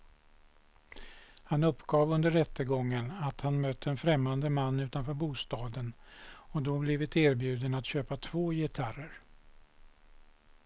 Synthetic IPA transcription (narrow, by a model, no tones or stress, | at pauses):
hanɵpːɡɑːvɵnd̪əɾːɛt̪ːəɡɔŋːənat̪hanmœt̪ʰːəɛnfɾɛmːand̪əmanːʉ̟ːt̪anfœːɾbuːst̪ɑːd̪ənɔd̪ɔblɪvɪt̪eːɾbjʉ̟ːd̪ənat̪ɕøːpat̪ʰv̥oːjɪt̪ʰarəɾ